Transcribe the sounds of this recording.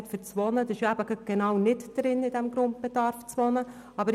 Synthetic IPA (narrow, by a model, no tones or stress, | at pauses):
ɛt̪fəɾt͡sʋɔnəd̪ɑɪʃjæbəɡət̚ɡ̥enɑwnɪtd̥ɾɪnɪd̥ɛmɡɾʊnt̚b̥ed̥ɑɾft͡sʋɔnə | ɑbəɾ